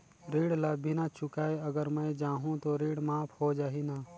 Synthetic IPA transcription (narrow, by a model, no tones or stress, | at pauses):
ɾiːɽlabʱɪnat͡ʃʰʊkaːeɐɡəɾmə̃d͡ʒaːɦũt̪oɾiːɽmaːpʰhod͡ʒaːɦinaː